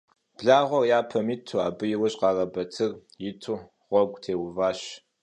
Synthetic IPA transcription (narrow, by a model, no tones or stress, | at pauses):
b̥ɮaːʁʷɔrjaːpʰɐmɪtʰua̰ːbɨjɪwɐɕʼqɑːrɐbɐtʰɨr | jɪtʰu | ʁʷɔɡʷtʰeːwʊvaːɕ